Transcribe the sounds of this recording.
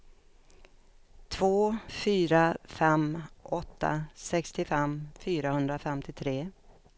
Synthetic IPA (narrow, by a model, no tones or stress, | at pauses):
t̪ʰvoːfyːɾafɛmɔt̪ʰːa̰sɛkst̪ɪfɛmfyːɾahɵnd̪ɾafɛmt̪ʰɪt̪ʰɾeː